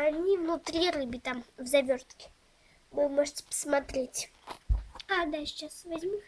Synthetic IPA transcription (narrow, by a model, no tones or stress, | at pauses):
anʲivnʊt̪ɾʲiɾɨbʲit̪amvzɐvʲort̪kʲɪ̥ | mɨmoʐɨtʲɪ̥pə̥smɐt̪ɾʲetʲ | ad̪at͡ɕasvɐzʲmʲu